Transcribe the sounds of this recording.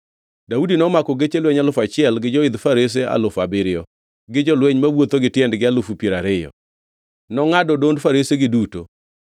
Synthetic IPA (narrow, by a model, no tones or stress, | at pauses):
daudinɔmakɔɡet͡ʃelweɲalʊfat͡ʃɪɛlɡɪd͡ʒɔɪd̪faɾes̬ea̰lʊfabɪɾɪɔ | ɡɪd͡ʒɔlweɲmawot̪oɡɪtjɛndɡɪalʊfupjeɾaɾɪjɔ̰ | nɔŋadɔdondfaɾeseɡɪduto̰